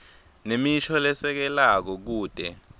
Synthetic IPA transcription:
nemiʃɔlɛsɛk̬ɛlak̬ɔk̬uːd̥ʱɛ

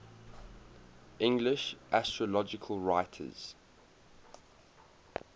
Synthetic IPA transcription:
ʔɪ̃ŋɡlɪʃʔastɹəlɔd͡ʒɪkʰəlˠɹaɪtʰə̰z̥

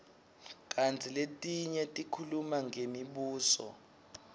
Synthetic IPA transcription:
k̬ʼant͡sʰiletʼiɲɛtʼikʰulumaŋɡʱemiɓuːsɔ̰

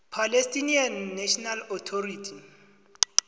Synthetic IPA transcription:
pʰalestʼinianːɛʃɔnalɔt̪ʰɔɾitʰi

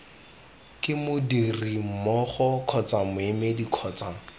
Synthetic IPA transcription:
kʼɪmʊdirim̩mɔχɔkʰɔt͡samʊemedikʰɔːt͡saŋ

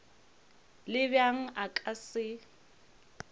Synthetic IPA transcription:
lɪbjaŋ̩ʔakʼasɪ

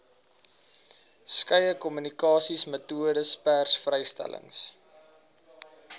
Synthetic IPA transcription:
skəjəkɔmynikɑːsismətuədəspærsfrəjstæ̰lə̰ŋs

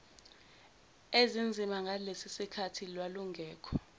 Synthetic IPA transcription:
ezind͡zʱimaŋɡʱalesisikʰatʰilwaluŋɡʱɛːkʰɔ

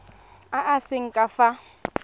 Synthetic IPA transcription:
aʔasɪŋ̩kʼafa

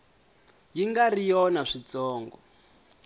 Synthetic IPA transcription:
jiŋɡarijɔnaʂit͡sɔːŋɡɔ̰

